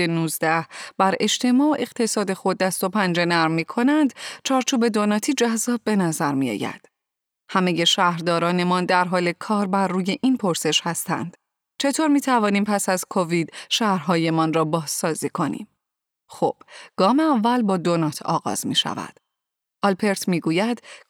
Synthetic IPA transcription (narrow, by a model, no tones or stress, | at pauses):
enuːzd̪æhb̥æɾe̞ʃt̪ʰe̞mɒːoʔe̞ɣ̥t̪ʰe̞sɒːd̪e̞xo̞d̪ːæst̪o̞pʰænd͡ʒe̞næɾmːiːkʰo̞nænd̪t͡ʃʰɒːɾt͡ʃʰuːbe̞d̪onɒːt̪ʰiːd͡ʒæzːɒːb̚be̞næzæɾmḭɒ̰ːjæ̰d̪̥ | hæme̞je̞ʃæhɾd̪ɒːɾɒːne̞mɒnd̪æɾɦɒːlekʰɒːɾbæɾːuːje̞ʔinpʰo̞ɾse̞ʃhæst̪æ̰nd̪̥ | t͡ʃʰe̞t̪ʰoɾmiːt̪ʰævɒːniːmpʰæsæzkʰo̞vid̪̥ʃæhɾɦɒːje̞mɒnrɒːbɒːz̥sɒːziːkʰo̞nḭm | xo̰b̥ɡ̥ɒːmeævːælbɒːd̪onɒt̪ʰɒ̰ːɣɒ̰ːz̥mḭːʃæ̰væ̰d̪̥ | ɒlpʰe̞ɾt̪ʰmiːɡuːjæd̪̥